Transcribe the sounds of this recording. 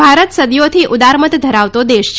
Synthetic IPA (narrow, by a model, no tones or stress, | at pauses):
aɾət̪səd̪jot̪ʰiʔud̪aɾmət̪d̪ʱəɾaʋt̪od̪eʃt͡ɕ